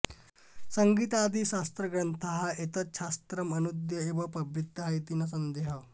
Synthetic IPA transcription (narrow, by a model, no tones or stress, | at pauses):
səŋɡiːt̪ad̪ʱiːɕast̪ɾəɡɾənt̪ʰaɦaet̪ət͡sɕast̪ɾəmənud̪jəeʋəpɐbʱɾit̪ːəɦajt̪inasənd̪eɦə